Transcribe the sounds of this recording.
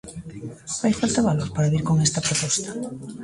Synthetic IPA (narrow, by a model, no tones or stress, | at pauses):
fajfalt̪aβaloɾpaɾaβiɾkoŋest̪apɾopɔst̪ḁ